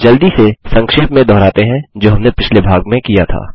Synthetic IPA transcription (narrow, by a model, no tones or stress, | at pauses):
d͡ʒɐld̪isesɐ̃ŋkʃeːpmẽd̪ʱɔːɾaːt̪eɦɛ̃d͡ʒoːɦɐmnepɪt͡ʃʰlebʱaːɡmẽkijat̪ʰa̰ː